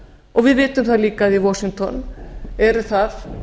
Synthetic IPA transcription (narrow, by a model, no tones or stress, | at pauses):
ɔɣvɪðvɪːt̪ʏmθaðliːkaðivɔsiŋt̪ʰɔnɛɾθað